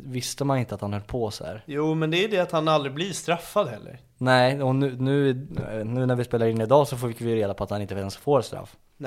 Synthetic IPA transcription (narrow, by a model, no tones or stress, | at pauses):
vɪst̪əmanɪnt̪əat̪hanhœlːpʰɔsaæ̰ːɾjuːmɛnd̪ɛːjd̪ɛat̪hanald̪ɾɪblist̪ɾafːad̪ɦɛlːə̰ɾ | nɛɪɔnʉ̟ːnʉ̟ːɪnʉːnæɾvɪspeːlaɾɪnːɪd̪ɑːsɔfoːɪkːvɪɾeːd̪apʰɔat̪hanɪnt̪əɛnsfoːɾst̪ɾa̰fː